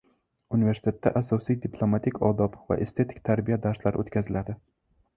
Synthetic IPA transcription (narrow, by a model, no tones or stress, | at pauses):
unɪve̞ɾsɪ̥t̪ʰe̞t̪ːa̰ʔasɒsijd̪ɪplˠomat̪ʰikʲʰɒd̪ɒpva̰ʔest̪ʰe̞t̪ʰɪ̥kʲt̪ʰaɾbijad̪aɾslaɾɪot̪kʲʰazɪlad̪ɪ